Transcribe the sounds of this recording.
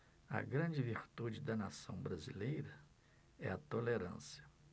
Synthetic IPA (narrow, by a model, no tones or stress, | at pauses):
ɐ̰ɡɾɐ̃d͡ʒɪviɾt̪ud͡ʒɪd̪ɐnasɐ̃w̃bɾazilejɾɐ | ɛɐt̪oleɾɐ̰̃siɐ̥